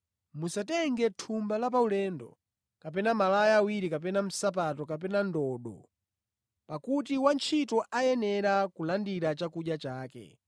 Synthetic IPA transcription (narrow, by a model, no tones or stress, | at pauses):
musatɛŋɡɛtʰumbalap̬aulɛːndɔ̰ | kap̬ɛnamalajaːwiɾikap̬ɛnam̩sap̬atɔkap̬ɛnandɔːɗɔ̰ | pakut̬iwant͡ʃʰitɔʔajɛnɛɾakulandiɾat͡ʃakuʄjat͡ʃaːkɛ̰